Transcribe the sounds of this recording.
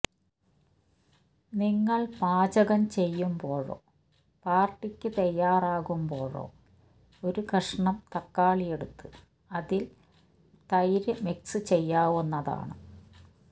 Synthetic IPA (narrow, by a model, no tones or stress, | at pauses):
niŋːɐɭpaːt͡ɕɐɣɐmt͡ɕe̞jːumbo̞ːɻo̰ː | paːrʈːikʲːɨt̪ɐjːaːraːɣumbo̞ːɻo̰ː | o̞ɾukɐʂɐɳɐmt̪ɐkːaːɭije̞ɽut̪ːu | ɐðil | t̪ɐjɾɨmiksɨt͡ɕe̞jːaːwunːɐða̰ːɳɨ